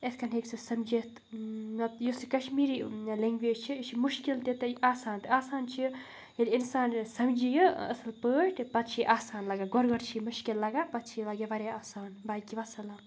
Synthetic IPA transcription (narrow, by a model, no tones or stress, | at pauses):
et̪ʰkɐnɦeksʰɨsɐmd͡ʒet̪ | nɐt̪josikɐʃmiːɾiːleŋɡʋeːd͡ʒt͡ʃʰiit͡ʃʰimuʃkilt̪it̪ɨaːsaːnt̪ɨaːsaːnt͡ʃʰi | elʲinsaːnsɐmd͡ʒijəɐ̰sɨlpəːʈpɐt̪̚t͡ʃʰiʔaːsaːnlɐɡaɡɔɾɡɔɾt͡ʃʰimuʃkilːɐɡapɐt̪̚t͡ʃʰilɐɡeʋɐɾʲeaːsaːnbaːjkiʋɐsɐlam